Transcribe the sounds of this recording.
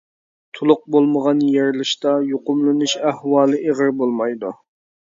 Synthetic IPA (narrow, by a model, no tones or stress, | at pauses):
t̪ʰʊlˠʊq̚bolˠməʁɑnjeɾlɪʃt̪ɑjoqʊmlˠɨnuʃæhwɑːlˠɨʔeʁəɾbolˠmɑjd̪u